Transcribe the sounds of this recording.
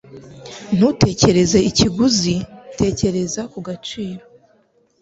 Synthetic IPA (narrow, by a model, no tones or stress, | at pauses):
n̥ute̞ːce̞ɾe̞ze̞iciɡuzite̞ːce̞ɾe̞zakuɡat͡ʃiːɾo̞